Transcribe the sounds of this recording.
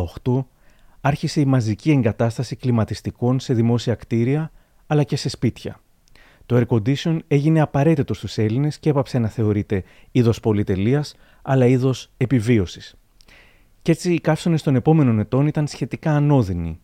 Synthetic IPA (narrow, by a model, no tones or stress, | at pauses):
oxt̪o̞ | ɐɾçise̞imɐzicie̞ŋɡɐt̪ɐst̪ɐsiklimɐt̪ist̪iko̞nse̞ðimo̞siɐkt̪iɾiɐː | lɐce̞se̞spit̪çɐ̰ | t̪o̞e̞ɾko̞nd̪iseo̞ne̞ʝine̞ɐpɐɾe̞t̪it̪o̞st̪use̞line̞sce̞pɐpse̞nɐθe̞o̞ɾit̪e̞ | iðo̞spo̞lit̪e̞liɐs | ɐlɐiðo̞se̞pivio̞si̥s | ce̞t͡ssiːkɐfso̞ne̞st̪o̞ne̞po̞me̞no̞ne̞t̪o̞nit̪ɐnsçe̞t̪ikɐːno̞ðinḭ